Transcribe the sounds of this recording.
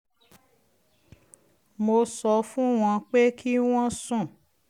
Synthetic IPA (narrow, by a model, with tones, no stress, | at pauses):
mo˧sɔ˧fũ˦w̃ɔ̃˧k͡pe˦kʰi˦w̃ɔ̃˦sũ˦˨